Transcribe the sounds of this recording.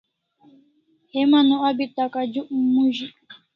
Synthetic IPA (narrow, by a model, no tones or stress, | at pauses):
hemanũabit̪akad͡ʒuʔm̩muʒi